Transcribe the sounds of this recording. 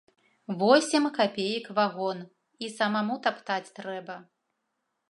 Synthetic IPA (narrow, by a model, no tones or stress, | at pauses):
vɔsʲɛmkapʲejikvaɣɔn | isɐmamut̪apt̪at͡sʲt̪ɾɛbɐ